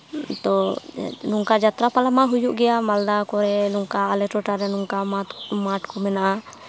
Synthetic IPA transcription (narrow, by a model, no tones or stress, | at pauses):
t̪ɔ | nuŋkad͡ʒat̪ɾapalamaɦujuʔɡɛjamald̪akɔɾɛnuŋkaːlɛʈɔʈaɾɛnuŋkaamaʈkɔmɛnaʔa